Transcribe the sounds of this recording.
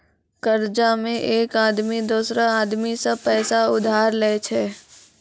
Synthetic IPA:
kəɾd͡ʒamẽʔeːkaːd̪mid̪uːsɾaaːd̪misapɛːsaʊd̪ʱaːɾleːt͡ʃʰɛː

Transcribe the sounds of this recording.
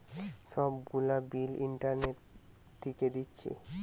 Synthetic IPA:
ʃɔbɡulabiliɳʈaɾneʈ | t̪ʰːiked̪itːɕʰḛ

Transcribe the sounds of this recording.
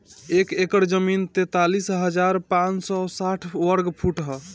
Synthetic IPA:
ekekəɾd͡ʒəmint̪et̪alisɦəd͡ʒaɾpãt͡ʃsɔsaʈʰwəɾɡpʰuʈɦɔ

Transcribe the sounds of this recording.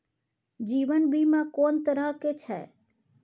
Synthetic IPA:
d͡ʒiʋənbʱimãkoːnt̪əɾəɦket͡ʃʰɛ̰

